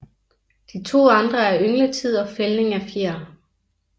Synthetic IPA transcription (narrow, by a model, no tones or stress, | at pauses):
d̥it͡sʰo̝̰ːɑ̈nd̥ʁɐæɐøŋlət͡sʰið̞̰ˠɒ̽felne̝ŋæfeɐ̰